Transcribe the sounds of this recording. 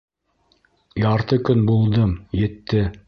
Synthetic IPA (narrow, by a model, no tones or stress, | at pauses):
jɑɾt̪ɤkɵnbulˠd̪ɤmjɘ̆t̪ːɘ